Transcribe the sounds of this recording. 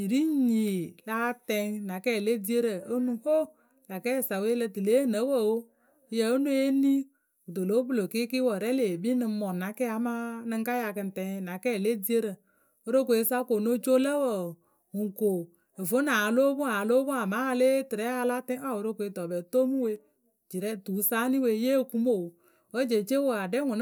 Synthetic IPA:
i˨ɾi˦ɲi˨la˦tɛ˧ŋna˨kɛ˦˨le˦di˦e˦ɾə˨o˦nu˦ho˦ | la˨kɛ˦˨sa˨we˦lə˧tɨ˨le˨˦˨nə˨˦wə˦˨wo˦˨ | jə˨o˦nu˦e˦ni˦ | o˨do˨lo˦bu˦˨lo˨ki˦ki˦wə˨ɾɛ˦le˨bi˦nɨ˧˦mɔ˨na˨˦kɛ˦a˨˦ma˦nɨ˦ŋka˦ja˧kɨ˨˧n˨tɛ˨ŋ˨na˨kɛ˦˨le˦di˦e˦ɾə˨ | o˦ɾo˦k̬o˨e˨˦sa˦ko˨no˦t͡ʃo˦lə˦wə˨ | ŋu˨ŋ˨ko˨ | e˨vo˨˦na˨˦lo˦bu˦a˨lo˦bʊ˦a˨ma˨˦a˧le˦tɨ˨ɾɛ˨˦a˧la˦tɛ˦a˦˨wo˨ɾo˦kʷe˨˦tɔ˨bɛ˨to˦mu˦we˦ | d͡ʒi˨ɾɛ˦˨tu˨˦sa˦ni˦we˦je˦˨ku˦mo˨ | wə˦d͡ʒe˨t͡ʃe˦wo˨a˨dɛ˦ŋʊ˨n˦

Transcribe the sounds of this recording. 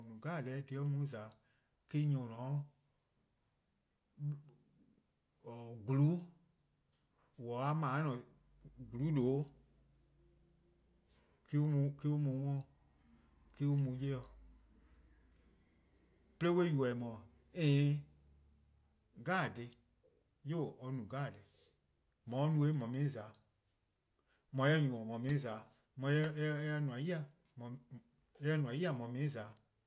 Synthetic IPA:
mũ˨ɡaː˦˨dɛ˧˦˨di˨ɔ˦mũ˨˦za˨ | ki˦ɲɔ̃˨nɔ̃˨˦˨ | ɡu˨lu˨˦ | wɔ˨a˧˦mãː˨˦nɔ̃˨ | ɡu˨lu˨˦doː˨˦ | ki˦o˦mũ˨ki˦o˧mũ˨˦ŋɔ̃˦˨ | ki˦o˧mũ˨˦je˦ɔ˧˨ | ple˦we˦ju˨ɛ˨i˨mɔ̃˨ | ẽː˨ | ɡaː˦˨de˧ | jo˦˨ɔ˧˦nũ˨ɡaː˦˨de˨˦ | mɔ̃˨˦nũ˧˦e˦mɔ̃˨mĩ˧˨ĩ˦zaː˨˦ | mɔ̃˨˦ɛ˧˦ɲũ˨ɔ̃˨mɔ̃˨mĩ˧˨ĩ˦zaː˨˦ | mɔ̃˨˦jɛ˧˦ɛ˧nũ˨ã˨˦i˦a˨ | m̃˨˦ | ɛ˧˦nũ˨ã˨˦ji˦a˦˨mɔ̃˨mĩ˧˨ĩ˦zaː˨˦

